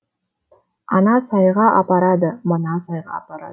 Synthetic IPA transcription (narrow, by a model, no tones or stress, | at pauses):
ɑnɑsɑjʁɑʔɑ̰pɑɾɑd̪əmənɑsɑjʁɑ̰ːpɑɾɑ̰